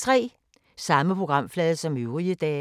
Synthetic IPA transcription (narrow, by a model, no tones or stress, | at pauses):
t͡sʰʁɛ̰ː | sɑ̈məpʰʁo̝ɡ̥ʁɑ̈m̰flɛːðˠəsɒ̽møʊʁiəd̥ɛː